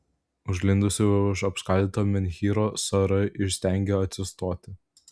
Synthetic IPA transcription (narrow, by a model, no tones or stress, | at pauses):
ʊʒʲɡlʲɪnd̪ʊsʲɪʊʃɐpskɐlʲd̪ʲiːt̪oːmʲɛnʲxʲiːɾoːsɐɾɐʔɪʃsʲt̪ʲæˑŋʲɡʲeɐt̪ʲsʲɪst̪oːt̪ʲɪ